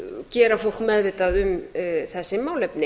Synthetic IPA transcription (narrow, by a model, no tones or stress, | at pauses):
cɛːɾafowl̥kmɛðvɪːt̪aðʏmθɛsːɪmaːwlɛpnɪ